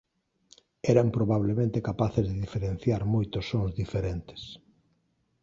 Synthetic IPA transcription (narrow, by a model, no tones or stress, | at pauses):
ɛɾampɾoβaβlemẽnt̪ekapaθezðeðifeɾẽn̟θjaɾmojt̪osːoŋzðifeɾent̪e̥s